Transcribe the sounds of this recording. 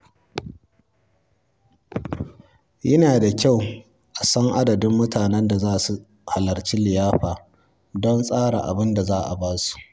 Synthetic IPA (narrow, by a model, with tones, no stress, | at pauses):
jɐ˦naː˨da˨kʲa˦˨w | ʔa˨sɐ˦ŋʔa˦dɐ˨dɪ˦mːʊ˦taː˨nɛ˦nda˨zaː˦˨su˨ | ha˨lɐ˨rt͡ʃiː˦lɪ˨jaː˦ɸaː˨ | dɔ˦nsʼaː˦ɽa̰˨ʔa̰˨bɪ˦nda˨zaː˦˨ʔa̰˨baː˦su̥˨ʔ